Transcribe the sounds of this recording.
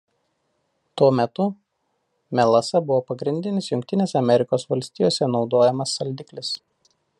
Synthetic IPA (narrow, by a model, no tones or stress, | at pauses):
t̪uɔmʲɛt̪ʊ | mʲɛlˠɐsɐbʊʋoːpɐɡɾʲɪnʲd̪ʲɪnʲɪsjʊŋʲkʲt̪ʲɪnʲeːsʲɛɐmʲɛɾʲɪkoːsʋɐlʲsʲt̪ʲɪːjoːsʲɛnɒʊd̪oːjɛmɐsːɐlʲd̪ʲɪklʲɪs